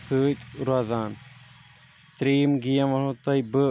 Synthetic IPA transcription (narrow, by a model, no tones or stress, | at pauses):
sɨːt̪ɾaːzaːn | t̪ɾiːmɡijɐmɐɳõːt̪ɐjbɨ